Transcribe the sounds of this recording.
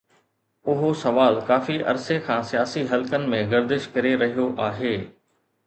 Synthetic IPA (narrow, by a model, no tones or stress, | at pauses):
ʊɦosɐʋaːlkaːfiʔɐ̰ɾsekʰãːsijaːsiɦɐlkənɪ̆mẽɡɐɾd̪ɪʃkɐɾeɾɐɦijoʔaːɦeː